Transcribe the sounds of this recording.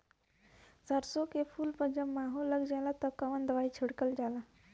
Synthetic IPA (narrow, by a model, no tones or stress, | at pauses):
saɾsokefuːlpəd͡ʑəmmːaɦoləɡd͡ʑalat̪əkaʋənd̪ʋajt͡ɕʰiɽkəld͡ʑala